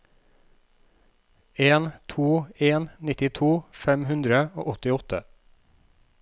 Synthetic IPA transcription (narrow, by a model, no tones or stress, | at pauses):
eːnt̪ʰuːeːnnɪt̪ɪt̪ʰuːfɛmhʉnd̪ɾəo̰ːʔɔt̪ɪɔt̪ə